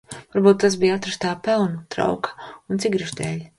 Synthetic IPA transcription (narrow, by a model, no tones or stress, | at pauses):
vaɾbuːt̪ːasbijat̪ɾast̪aːpɛlˠnut̪ɾa̰wkɐ̥unt̪siɡɾiʒd̪ʲɛːlʲ